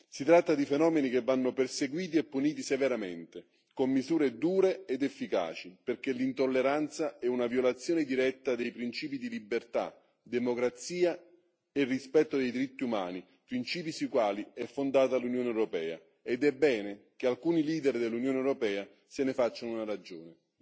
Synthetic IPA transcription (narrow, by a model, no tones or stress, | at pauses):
sit̪ɾat̪ːad̪ifenɔːmenik̟evːanːoperseɡwiːt̪̬iɛpːuniːt̪iseveɾament̪e | komːizuːɾed̪uːɾeed̪efːika̰ːt͡ʃiperk̟elint̪olːeɾant̪saɛunavjolat̪sjoːned̪iɾɛt̪ːad̪ejpɾint͡ʃiːp̬id̪ilibːert̪a̰ | d̪emokɾat̪siːa | erːispɛt̪ːod̪ejd̪iɾit̪ːiumaːni | pɾint͡ʃiːp̬isuikwaːliɛfːond̪aːt̪alunjoːneɛwɾopɛːa̰ | ed̪ɛbːɛːnekealkuːniliːd̪ɛrd̪elːunjoːneɛwɾopɛːa | senefat͡ʃːanunaɾad͡ʒoːne